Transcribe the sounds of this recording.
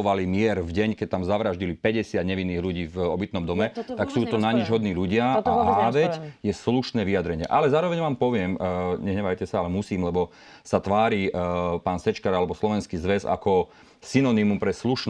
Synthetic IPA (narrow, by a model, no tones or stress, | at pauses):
ɔʋalimɪɛɾvɟɛɲkɛc̚t̪amzaʋɾaʒɟilipɛɟɛsɪad̪ɲɛʋinːiːɣluɟiːvɔbit̪nɔmd̪ɔmɛt̪aksuːt̪ɔnaɲid͡ʒɦɔd̪niːluɟɪaaɦaːʋɛcjɛsluʃnɛːʋijad̪ɾɛɲɪɛ̰ʔalɛzaːɾɔʋɛɲʋaːmpɔʋɪɛmɲɛɦɲɛbajcɛsaalɛmusiːmlɛbɔ | sat̪ʋaːɾiːpaːnsɛt͡ʃkaɾalɛbɔslɔʋɛnskizʋɛza̰kɔ | sinɔnimumpɾɛsluʃn